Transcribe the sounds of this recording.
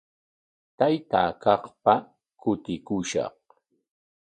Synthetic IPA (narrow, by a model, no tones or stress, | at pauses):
t̪ajt̪aːkɑqpa | kʊt̪ɪkʊʃɑ̰q